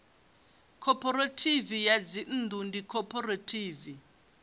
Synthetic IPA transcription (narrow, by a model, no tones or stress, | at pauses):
kʰɔpʰɔɾatʰivijad͡zin̩ːd̪undikʰɔpʰɔratʰiːvi